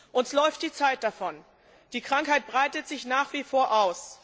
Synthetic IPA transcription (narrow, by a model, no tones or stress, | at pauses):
ʔʊntslɔʏft̚d̥iːt͡saɪt̚d̥afɔn | d̥iːkʁ̥aŋkhaɪt̚b̥ʁaɪtətz̥ɪçnaːχv̥iːfoːɐʔaʊs